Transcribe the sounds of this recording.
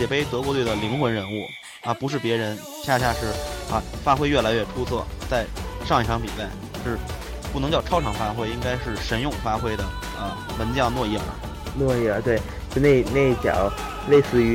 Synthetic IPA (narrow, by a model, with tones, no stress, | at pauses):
jɛ˨˩pe˥˩ɪt̪ɤ˧˥k̬wɔ˧˥t̪we˥˩d̪ə˩li˧˥ŋxwə˧˥nɻə˧˥nu˥˩ | ɐ˧pu˧˥ʂ̬ɻ̩˥˩pjɛ˧˥ɻə˧˥n | ɕja˥˧ɕja˥˧ʂɻ̩˥˩ɐ̰˧fa˥xwe˥ɪɥɛ˥˩la˧˥ɪɥɛ˥˩ʈ͡ʂʰu˥t͡sʰwɔ˥˩t͡sa˥˧ɪʂɑ˥˧ŋi˥˩ʈ͡ʂʰɑ˧˥ŋpi˨˩sa˥˩ɪʂɻ̩˥˧ | pu˥˩nɤ˧˥ŋt͡ɕjɑ˥˩ʊʈ͡ʂʰɑ˥ʊʈ͡ʂʰɑ˨˩ŋfa˥xwe˥˩ɪi˥ŋka˥ɪʂɻ̩˥˩ʂə˧˥njʊ˥˩ŋfa˥xwe˥ɪd̪ə˨ | ə˧ | mə˧˥nt͡ɕjɑ˥˧ʊnwɔ˥˧jɛ˥˩ɐ̰˩ | nwɔ˥˧jɛ˥˩˧t̪we˥˩ɪ | t͡ɕo˥˧ne˥˩˧ne˥˧ɪi˥˩t͡ɕjɑ̰˨˩˦ʊ | le˥˧ɪsɹ̩˥˩y˧˥